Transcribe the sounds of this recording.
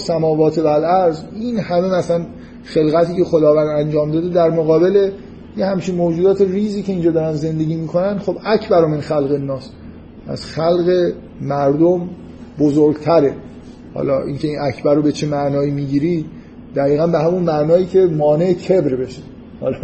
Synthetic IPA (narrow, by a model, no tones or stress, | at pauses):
sæmɒːvɒːt̪ʰevælæɾziːnhæme̞mæsæn | xe̞lɣæt̪ʰiːce̞xo̞d̪ɒːvænd̪ænd͡ʒɒːmd̪ɒːd̪ed̪æɾmoɣɒːbe̞le̞ | jehæmt͡ʃʰinmoːd͡ʒuːd̪ɒːt̪e̞riːziːcʰe̞iːnd͡ʒɒːd̪ɒːɾænze̞nd̪e̞ɟʲiːmiːkʰo̞nænd̪xobæcʰbæɾomenxælɣe̞nːɒːs | æ̰z̥xælɣe̞ | mæɾd̪om | bozoɾɡt̪ʰæɾe̞ | hɒ̰ːlɒ̰ːʔḭːncʰʲe̞iːnæcʰbæɾobe̞t͡ʃʰemæʔnɒːiːmiːɟiːɾi | d̪̥æɣiːɣænbehæmonmæʔnɒːiːcʰe̞mɒːne̞ecʰebɾbe̞ʃe | hɒ̰lɒ